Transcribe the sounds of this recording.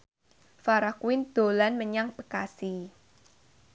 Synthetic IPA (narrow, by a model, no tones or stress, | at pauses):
faɾakwɪnd̪̥o̤lanməɲaŋb̥əkasi